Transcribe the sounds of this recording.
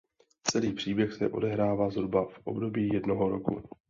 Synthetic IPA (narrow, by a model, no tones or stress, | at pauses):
t͡sɛliːpr̝̥iːbjɛxsɛ̰ʔo̞̰dɛɦɾaːvaːzɦɾubafʔo̞̰bdo̞biːjɛdnoɦo̞ɾo̞̰kṵ